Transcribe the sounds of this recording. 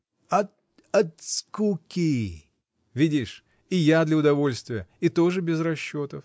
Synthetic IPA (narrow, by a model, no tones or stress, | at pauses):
ɐt̪ | ɐt̪skukʲi | vʲidʲiʂ | ɪjad̪lʲɐʊd̪ɐvo̞lʲst̪vʲɪjəɪt̪o̞ʐɨbʲɪzɾɐɕːo̞t̪əf